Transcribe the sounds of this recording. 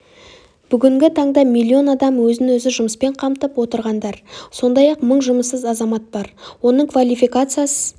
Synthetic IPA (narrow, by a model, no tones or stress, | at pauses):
b̥ʏɡʲɪŋɡʲɪt̪ʰɑɴd̪ɑmijlʲːio̞nɑd̪ɑmwɵzɪnwɵzɪʒʊməspe̞ɴqʰɑmt̪əpwo̞t̪əɾʁɑnd̪ɑɾso̞nd̪ɑjɑqməɴʒʊməsːəzɑzɑmɑt̪̚b̥ɑɾwo̞nəɴkvalʲijfikat̪sɨjasə